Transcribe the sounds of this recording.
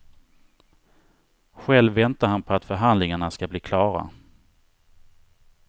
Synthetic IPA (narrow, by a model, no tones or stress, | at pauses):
ɧɛlvːɛnt̪ahanpʰɔat̪fœɾɦand̪lɪŋaɳaskabliːkʰlɑːɾa̰